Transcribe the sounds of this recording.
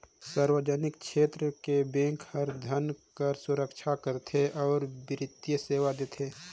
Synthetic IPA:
səɾwəd͡ʒənɪk̚ʃʰeːt̪ɾəkebẽːŋkhəɾd̪ʱənkəɾsʊɾəkʃʰakəɾt̪ʰeʔɔːɾbɪɾɪt̪jəseːwad̪eːt̪ʰeː

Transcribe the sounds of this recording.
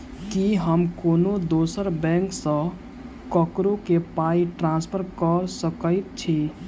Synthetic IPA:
kiɦəmkonod̪osəɾbɛ̃ŋksə̃ | kəkɾokepaiʈɾãnspʰəɾkəɾsəkəɪt̪̚t͡ʃʰi

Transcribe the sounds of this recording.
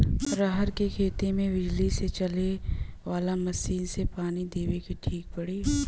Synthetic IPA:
ɾaɦəɾkekʰeːt̪imẽʋɪd͡ʒliset͡ʃɐleʋaːlamɐsiːnsepaːnid̪eːʋekiʈʰiːk̚pɐɽiː

